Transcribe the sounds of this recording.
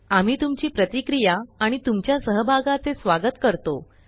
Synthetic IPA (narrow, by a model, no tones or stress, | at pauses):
am̤iːt̪umt͡ɕiːpɾət̪ikɾijaːɽ̃it̪umt͡ɕjasəɦəbʱaɡat͡sesʋaɡət̪kəɾt̪o